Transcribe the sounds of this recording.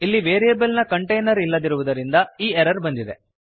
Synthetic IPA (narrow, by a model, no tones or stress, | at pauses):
ilːiʋeːɾijɐbɐlnɐkɐɳʈɐjnɐɾilːɐd̪iɾuʋud̪ɐɾind̪ɐiːeɾɐɾbɐnd̪id̪e̞